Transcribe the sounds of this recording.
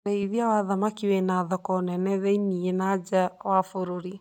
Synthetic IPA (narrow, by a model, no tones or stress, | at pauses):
ɾeiðiawaðamakiwenaðɔkɔnɛnɛðɛinienad͡ʒawafoɾoɾi